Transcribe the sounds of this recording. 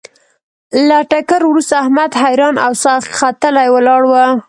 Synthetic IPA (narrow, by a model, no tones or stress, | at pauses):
laʈakəɾwɾust̪aːhmad̪ɦajɾɑnawsɑχxat̪əlajwəlɑɽwə